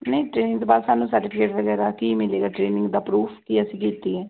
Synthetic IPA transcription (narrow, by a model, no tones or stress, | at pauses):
nəĩʈɾeːnɪ̃ŋɡt̪oːbaːd̪saːnũːsəɾʈɪpʰɪkeːʈʋəɡɛːɾaːkiːmɪleːɡaːʈɾeːnɪ̃ŋɡd̪aːpɾuːpʰkiːəsĩːkiːt̪iːɛː